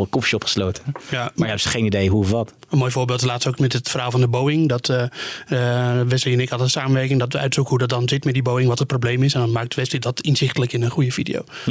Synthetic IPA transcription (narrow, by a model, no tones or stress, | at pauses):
əkɔfʃɔpχə̥slowtəjamaɹjɛpsəχejnidejɦuəfʋɑt | ənmoːjvoːɹbɪːlˠtəlaːtstowkmɛtətfərɦaːlˠvɑndəbowɪŋdɔt | ʋɛsliənɪkɑlˠənsaːmənʋɛrkɪŋdɔtʋəœ̰ɥtsukəɦudɑt̚dɑnzɪtmɛtdibowɪŋʋɑtət̚problejmɪsɛndɑnmaːk̚dəʋɛslidɔtɪnzɪχtələkɪnənχujəvidḭo̰w